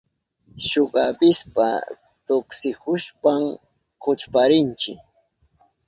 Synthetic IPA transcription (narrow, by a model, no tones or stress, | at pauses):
ʃoɢɑpɪspa̰ | t̪oksɪhʊʃpam | kʊt͡ʃpaɾɪnt͡ʃɪ̰k